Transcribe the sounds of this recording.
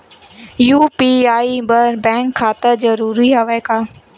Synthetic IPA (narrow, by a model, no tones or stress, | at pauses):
juːpiaːibɐɾbɛ̃ːŋkʰːaːt̪əzɐɾuːɾiɦaʋəkaː